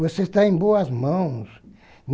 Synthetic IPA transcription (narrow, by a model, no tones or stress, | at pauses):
voseʃt̪aẽboɐzmɐ̃w̃s | n